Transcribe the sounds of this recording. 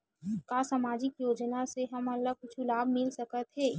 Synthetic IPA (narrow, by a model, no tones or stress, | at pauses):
kasaːmaːd͡ʒɪkjoːd͡ʒnaseɦɐmɐlːakʊt͡ʃʰulaːbmɪlsɐkət̪ɦɛː